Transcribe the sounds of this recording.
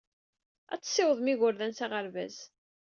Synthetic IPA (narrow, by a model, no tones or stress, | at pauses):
æ̰t͡sːsːɪwəðˤmiʝʊɾðænsaʁəɾvæ̰z